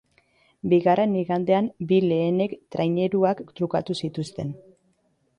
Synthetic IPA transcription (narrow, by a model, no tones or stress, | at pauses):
biɣare̞niɣand̪e̞ambile̞ːne̞kt̪ɾajɲe̞ɾuakt̪ɾukat̪usit̪ust̪e̞n